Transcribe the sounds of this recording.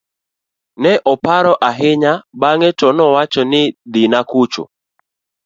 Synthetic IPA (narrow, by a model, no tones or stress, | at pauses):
nɛʔɔpaɾɔʔaɦɪɲabaŋɛtɔnɔwat͡ʃɔnɪd̪ɪnakut͡ʃʊ̰